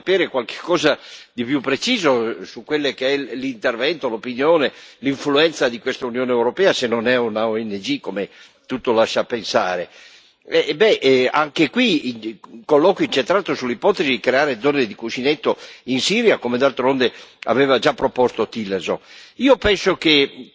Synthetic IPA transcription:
apɛːɾekwalke̥kʰːɔːzad̪ipjupːɾet͡ʃiːzosukwelːekeɛlint̪ervɛnt̪olopinjoːneliɱfluɛnt̪sad̪ikwest̪aunjoːneːwɾopɛːasenːonɛunaoɛnːed͡ʒikome | t̪ut̪ːolaʃːapːensaːɾe | ɛbɛʔa̰ŋkekwi | kolːɔːkoint͡ʃent̪ɾaːt̪osulːipɔt̪ezikɾeaːɾed̪zɔːned̪ikut͡ʃinet̪ːoinsiːɾjakomed̪alt̪ɾond̪ea̰vɛːvad͡ʒapːɾopɔst̪ot̪ilːerzo̰niːopɛnsoke

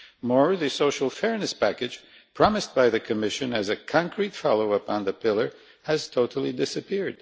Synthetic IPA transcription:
mɔɹðɨsoʊʃl̩ˠfɛɹnɨspʰækɨ̥d͡ʒ̥ | pʰɹ̥ɑmɨst̚b̥aɪðɨkʰɨmɪʃɨ̃nɨzɨkʰɑ̃ŋkʰɹitfɑ̰lˠoʊəpɑ̃nðɨpʰɪlˠə˞ | ɨz̥tʰoʊɾl̩ˠidɪsɨpɪɹd̥̚

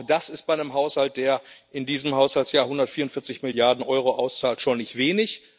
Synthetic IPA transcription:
d̥asɪst̚b̥aɪnəmɦaʊshalt̚d̥eːɐʔɪndiːzəmhaʊshaltjaːhʊndɐtfiːɐʊnfɪɐt͡sɪçmɪljaɐdn̩ʔɔʏʁoʔaʊst͡saːltʃoːnɪçtv̥eːnɪç

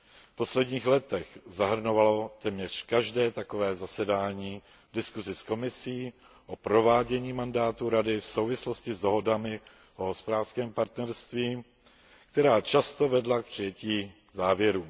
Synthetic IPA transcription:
fpo̞slɛdɲiːxlɛt̪ɛxzaɦr̩novaloot̪ɛːmɲɛr̝̥kaʒdɛːt̪akovɛːzasɛdaːɲiː | dɪskuzɪsko̞mɪsiː | ʔo̞pɾo̞vaːɟɛɲiːmandaːt̪uɾadɪfsowvɪslo̞scɪzdo̞ɦo̞damɪ | ʔoɦospodaːr̥skɛːmpaɾt̪nɛɾst̪viː | kt̪ɛɾaːt͡ʃast̪ovɛdlak̚pr̥ɪjɛciː | zaːvjɛɾuː

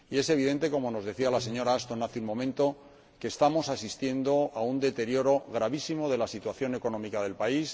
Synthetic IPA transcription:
ie̞se̞β̞iðe̞nt̪e̞ko̞mo̞no̞zðe̞θialase̞ɲo̞ɾaast̪o̞naθeunmõ̞mẽ̞nt̪o̞ | ke̞ːst̪amo̞sasist̪je̞nd̪o̞aund̪e̞t̪e̞ɾjo̞ɾo̞ɣ̞ɾaβisimo̞ðe̞lasit̪waθjo̞ne̞ko̞no̞mikaðe̞lpais

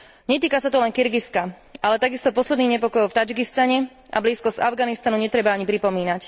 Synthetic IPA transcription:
ɲɛt̪iːkasat̪ɔlɛŋkiɾɡiska | ʔalɛt̪aɡist̪ɔpɔslɛd̪niːɣɲɛpɔkɔjɔʊft̪ad͡ʒɡist̪aɲɛʔa̰bliːskɔzavɡanist̪anuɲɛt̪ɾɛbaaɲipɾipɔmiːnac

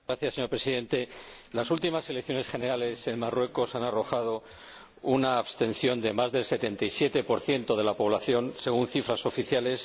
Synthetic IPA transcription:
ɾaθjasːeɲo̞ɾpɾe̞siðe̞nt̪e̞lasult̪imase̞lekθjo̞ne̞sχe̞ne̞ɾale̞se̞nmarwe̞ko̞sanaro̞xað̞o̞ | unaːβst̪e̞nθjo̞nd̪e̞mazðe̞lse̞t̪e̞nt̪ajsje̞t̪e̞po̞ɾθje̞nt̪o̞ð̞e̞lapo̞β̞laθjo̞nse̞ɣ̞unθifɾaso̞fiθjale̞s

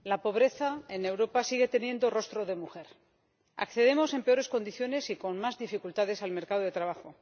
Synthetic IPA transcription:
lapo̞β̞ɾe̞θae̞ne̞wɾo̞pasiɣe̞t̪e̞njẽ̞nd̪o̞ro̞st̪ɾoðe̞muxe̞ɾ | a̰kθe̞ðe̞mo̞se̞mpe̞o̞ɾe̞sko̞nd̪iθjo̞ne̞siko̞nmazðifikult̪aðe̞salme̞ɾkað̞oðe̞t̪ɾaβaxo̞

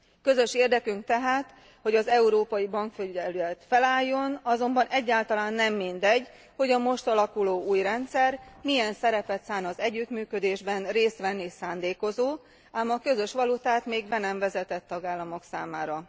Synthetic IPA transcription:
kø̞zø̞ʃeːrd̪ɛkyŋk̚t̪ɛɦaːt̪ | ho̞ɟɒzɛuɾoːpɒjibɒŋkføɛløɛt̪fɛlaːjːo̞nɒzo̞mbɒnʔɛɟːaːlt̪ɒlaːnːɛmːind̪ɛɟ | ho̞ɟɒmo̞ʃt̪ɒlɒkuloːuːjrɛnt̪sɛrmiɛnsɛɾɛpɛt̪saːnɒzɛɟːyt̪myːkød̪eːʒbɛnreːst̪ʋɛnːisaːnd̪eːko̞zoː | aːmɒkø̞zø̞ʃʋɒlut̪aːt̪meːɡbɛnɛɱvɛzɛt̪ɛt̪ːɒɡaːlːɒmo̞ksaːmaːɾɒ

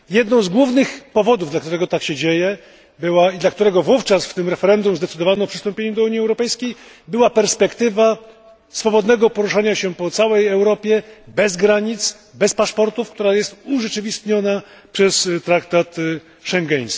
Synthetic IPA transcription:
jɛd̪nɔ̃w̃zɡwuvnɘxpɔvɔd̪uvd̪lakt̪uɾɛɡɔt̪akɕɛd͡ʑejɛ | bɘwaid̪lak̚t̪uɾɛɡɔvuft͡ʂasft̪ɘmɾɛfɛɾɛnd̪umzd̪ɛt̪sɘd̪ɔvanɔpʂɨst̪ɔmpʲeɲɛmd̪ɔuɲiɛwɾɔpɛjskʲej | bɘwapɛɾspɛkt̪ɘva | sfɔbɔd̪nɛɡɔpɔɾuʂaɲaɕɛpɔt̪sawɛjɛwɾɔpʲjɛbɛzɡɾaɲit̪s | bɛspaʂpɔɾt̪ufkt̪uɾajɛst̪uʐɛt͡ʂɘvʲist̪ɲɔna | pʂɛst̪ɾakt̪at̪ | ʂɛŋɡɛɲ̃s

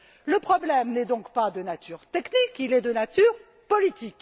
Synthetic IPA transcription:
ləpχɔblɛmnɛd̪ɔ̃kpad̪ənat̪yʁt̪ɛknikilɛd̪ənat̪yʁ | pɔlit̪ik

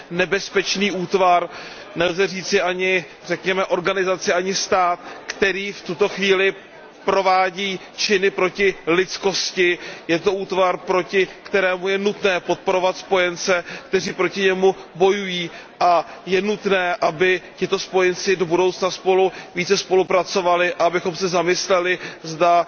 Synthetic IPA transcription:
nɛbɛspɛt͡ʃniːʔuːt̪vaɾ | nɛlzɛriːt͡sɪʔaɲɪ | rɛkɲɛmɛʔo̞ɾɡanɪzat͡sɪʔaɲɪst̪aːt̪kt̪ɛɾiːft̪ut̪o̞xviːlɪ | pɾo̞vaːɟiː | t͡ʃɪnɪpɾo̞cɪlɪt͡sko̞scɪjɛt̪o̞ʔuːt̪vaɾpɾo̞cɪkt̪ɛɾɛːmujɛnut̪nɛːpo̞t̪̚po̞ɾo̞vat̪spo̞jɛnt͡sɛkt̪ɛriːpɾo̞cɪɲɛmubo̞jujiː | ʔajɛnut̪nɛːʔabɪcɪt̪o̞spo̞jɛnt͡sɪdo̞budo̞wt͡snaspo̞luviːt͡sɛspo̞lupɾat͡so̞valɪʔaabɪxo̞msɛzamɪslɛlɪzda

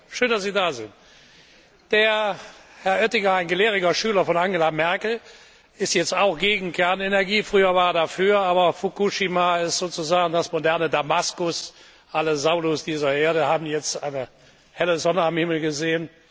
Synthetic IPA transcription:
ʃøːndasziːdaːzɪ̰nt | d̥eːɐhɛɐʔœtɪŋɐaɪnɡəleːʁɪɡɐʃyːlɐfɔnaŋɡelamɛɐkl̩ | ɪstjɛt͡staʊxɡ̥eːɡŋ̩kɛɐnenɛɐɡiːfʁ̥yːɐvaːɐɐdafyːɐaːbɐfukuʃimaɪstz̥oːt͡suzaːɡŋ̩dasmodɛɐnədamaskʊs | ʔaləzaʊlʊsd̥iːzɐeːɐɾəhaːbm̩jɛt͡stʔa̰ɪnə | hɛləzɔnəamhɪml̩ɡəzeːən

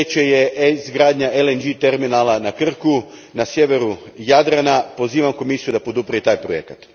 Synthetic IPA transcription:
et͡ʃejezɡɾaːd̪ɲaʔelend͡ʒit̪e̞ɾminaːlˠanakr̩ku | nasjeʋe̞ɾu | jad̪ɾanapo̞ziːʋamko̞misijud̪apo̞d̪upɾait̪aːjpɾoje̞̰kat̪

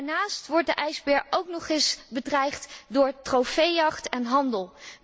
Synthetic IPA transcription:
ɹnaːstʋɔɹt̚dəʔɛjzbɛɹowknɔχɪsbədrɛjχtdʊːɹtrowfejɑχtɛnɦɑndəlˠ

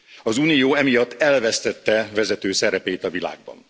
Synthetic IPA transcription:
ɒzuːnijoːɛmijɒt̪ːɛlvɛst̪ɛt̪ːɛvɛzɛt̪øːsɛɾɛpeːt̪ɒvila̰ːɡ̚bɒ̰n

